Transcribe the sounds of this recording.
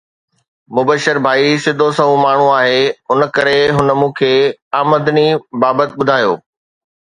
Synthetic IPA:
mʊbəʃəɾbʱaːisɪd̪ʱosɐɦũmaːɳ̤ũaːɦeːɦʊnəkɐɾeɦʊnəmũːkʰeaːməd̪nibaːbət̪ɓʊd̪ʱaːjoː

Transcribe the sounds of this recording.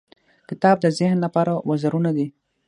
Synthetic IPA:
kɪt̪ɑb̚d̪əzɪhnlapɑɾawazaɾunad̪i

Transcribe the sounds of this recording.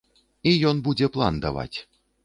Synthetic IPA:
ijɔnbud͡zʲɛplˠand̪ava̰t͡sʲ

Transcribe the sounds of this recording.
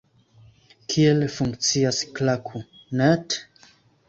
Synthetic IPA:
kʰielefuŋkt͡siasklakʰu | nɛt

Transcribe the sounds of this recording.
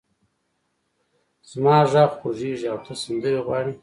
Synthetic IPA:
z̥mɑːʐaɣpʰoʐeːʐiawt̪ʰasand̪əɾiɣwɑːɽi

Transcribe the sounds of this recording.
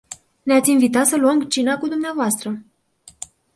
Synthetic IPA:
neat̪sʲinvit̪at̪səluəmt͡ʃinakud̪umneavoast̪ɾə

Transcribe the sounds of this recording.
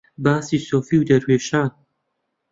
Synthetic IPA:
baːsiːsoːfiːwd̪ɐɾweːʃaːn

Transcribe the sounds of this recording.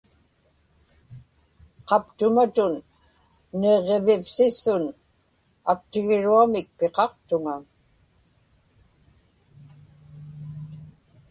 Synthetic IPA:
qɑpt̪ʊmat̪ʊnː | eʁe̞vɪfsɪsʊn | ak̚t̪ɪɣɪɻuamɪk̚peqɑqt̪ʊŋa

